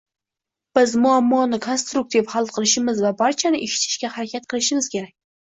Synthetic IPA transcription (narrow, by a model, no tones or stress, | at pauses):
b̥ɪzmʊamːɒnɪkʰonst̪ɾʊk̚t̪ʰivhalˠd̪qʰɨlˠɪʃɪmɪzvabaɾt͡ʃʰanɪʔeʃɪ̥t̪ʰɪ̥ʃkʲahaɾakʲʰat̪̚qʰɨlˠɪʃɪmɪz̥kʲe̞ɾak̚ʲ